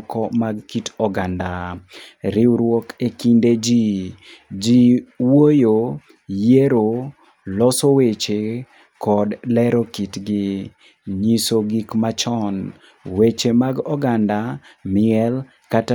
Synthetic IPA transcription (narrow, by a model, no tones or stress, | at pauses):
kɔmaɡkitɔɡanda | ɾɪwɾwɔkekinded͡ʒi | d͡ʒiwojo | jeɾo | lɔsowet͡ʃe | kɔdlɛɾokitɡɪ | ɲisoɡikmat͡ʃɔn | wet͡ʃemaɡɔɡandamɪɛl | kata